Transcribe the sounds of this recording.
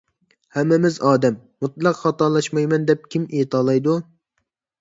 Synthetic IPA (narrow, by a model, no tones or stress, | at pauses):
hɛmːɪmɪzɑːd̪ɛmːut̪lˠɑqχɑt̪ɑːlˠɑʃmɑjmɛnd̪ɛp̚kʲʰimijt̪ʰɑːlˠɑjd̪u